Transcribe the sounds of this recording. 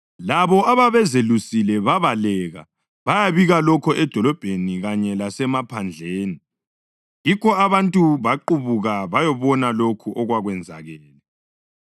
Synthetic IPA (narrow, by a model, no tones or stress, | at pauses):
laβɔʔaβaβɛzelusilɛβaβalɛɣa̰ | βajaβiɣalɔkʰɔʔɛd̥ʱɔlɔb̥ʱeniɣaɲɛlasɛmapʰand͡ɮʱeːni | jikɔaβantʼuβaǃuβuɣaβajɔβɔnalokʰuʔɔɣwaɣwɛnd͡zʱa̰ɣɛːlɛ